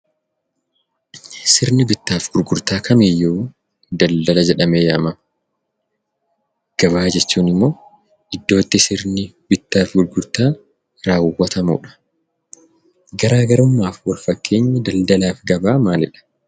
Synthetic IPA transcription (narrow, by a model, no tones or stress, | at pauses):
sɪɾnɪbɪt̪ːaːfɡ̥ʊɾɡʊɾt̪aːkʰɐmijːɛu | d̪ɐld̪ɐlɐd͡ʒɛᶑɐmeːjaːmɐmɐ | ɡ̥ɐβaːd͡ʒɛt͡ʃːuːnɪmːo̞ː | ɪd̪ːo̞ːt̪ːɪsɪɾnɪ | bɪt̪ːaːfɡʊɾɡʊɾt̪aː | ɾaːwʊwːɐt̪ɐmṵːᶑɐ̥ | ɡɐɾaːɡɐɾʊmːaːfwɐlfɐkʰːe̞ːɲːɐd̪ɐld̪ɐlaːfɡɐbaːmaːlɪᶑɐ̥